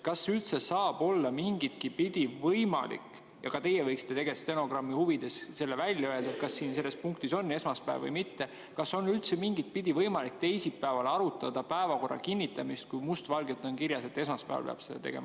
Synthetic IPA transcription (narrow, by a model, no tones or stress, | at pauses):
kɑsylt̪se̞sɑːb̥o̞lːɑmiŋɡ̥it̪kipid̪̥ʲivɤjmɑ̰lḭkːˑ | jɑ̰kɑt̪e̞jevɤjksi̥t̪ːet̪e̞ɡ̥e̞st̪eno̞ɡ̥rɑmːihuvid̪̥e̞sse̞lːevælʲjɑøed̪̥ɑet̪kɑsːiːnse̞lːe̞spuŋk̚t̪iso̞nːe̞smɑspæ̰ːvvɤ̰jmit̪ːe̞ | kɑsːo̞nylt̪se̞miŋɡit̪̚pid̪̥ʲivɤjmɑlik̚t̪e̞jsipːæevɑlɑɾut̪ːˑɑd̪̥ɑpæevɑko̞rːɑ̰kinʲːit̪ːˑɑmist̪̚kujmust̪vɑlɡet̪ːˑonkiɾjɑse̞t̪ːe̞smɑspæ̰vɑ̰peɑ̰b̥sed̪̥ɑ̰t̪e̞̰ɡ̥ḛmɑ